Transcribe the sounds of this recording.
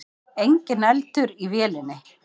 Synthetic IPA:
ejɲcɪnɛlt̪ʏɾivjɛːlɪnːɪ

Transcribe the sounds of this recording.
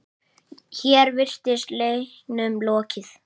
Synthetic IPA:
çɛːɾvɪr̥t̪ɪst̪leːknʏmlɔːcɪθ

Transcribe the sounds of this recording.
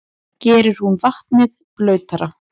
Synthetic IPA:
cɛːɾʏɾ̥hunvaht̪nɪð | plœːɥt̪aɾa

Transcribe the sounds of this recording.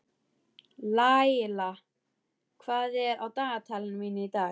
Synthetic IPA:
lajla | kʰvaːðɛɾawt̪aːat̪ʰalɪnmiːnɪit̪aː

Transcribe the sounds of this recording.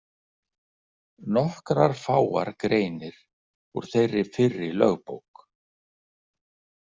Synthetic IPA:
nɔhkɾaɾ̥faːwa̰ɾkɾeːjnɪɾ̥ | ɔ̰ɾ̥θejrːɪfɪrːɪlœ̰ɣpowk

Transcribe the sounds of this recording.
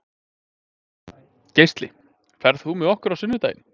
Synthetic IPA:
cejst̪lɪ̰ | kfɛɾðθumɛɔhkʏɾawsʏnːvʏt̪a̰jɪ̰n

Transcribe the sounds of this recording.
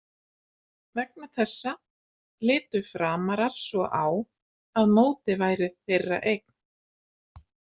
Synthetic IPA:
vɛk̚naθʰɛsːa | lɪːt̪ʏfɾaːmaɾaɾ̥sɔʔaːw | aðmoːwt̪ɪvaːjɾɪðθejrːa̰ʔejk̚n̥

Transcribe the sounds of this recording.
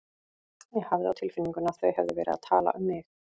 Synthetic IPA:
jɛhavðɪa̰wt̪ʰɪlfɪnːiŋkʏnḁθœɥhɛvðɪvɛːɾɪ̰ða̰t̪ʰaːla̰ʔʏmːɪx

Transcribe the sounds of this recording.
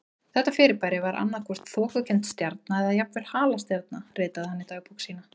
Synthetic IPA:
θɛht̪ːafɪːɾɪpajɾɪvaɾʔa̰nːaɾ̥kʰvɔr̥t̪θɔːkacʰɛnt̪st̪jaɾt̪̚naɛðajapnvɪɾ̥haːlast̪jaɾt̪̚narɪːt̪aðhanːɪt̪aːjpuksiːna

